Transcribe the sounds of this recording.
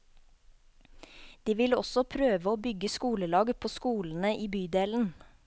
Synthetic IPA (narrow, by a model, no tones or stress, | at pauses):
d̪̥iːʋɪlɔsɔpʰɾøːʋəoːbʏɡəskuːləlɑːɡpʰoːskuːln̩əʔiːbyːd̪eːln̩